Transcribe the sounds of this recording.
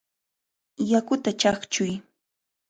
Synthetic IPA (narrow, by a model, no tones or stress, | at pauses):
jakʊt̪at͡ʃaχt͡ʃʊj